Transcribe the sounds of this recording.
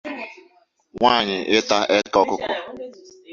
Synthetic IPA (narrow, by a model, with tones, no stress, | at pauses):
ŋʷaː˦˨ɲɪ˨ʔɪ˦ta˦ʔɛ˦kɔ˦kʊ˦kʷʊ̰˦